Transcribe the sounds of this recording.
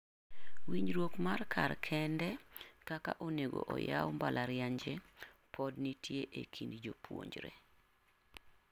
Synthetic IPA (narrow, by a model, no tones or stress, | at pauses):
wiɲɾwokmarkʰa̰rkʰɛndɛkaka̰ʔoneɡo̰ʔɔjawmbalʔaɾjaɲd͡ʒe | pʰɔdnitʰjeʔekʰindid͡ʒopwo̰ɲd͡ʒɾḛ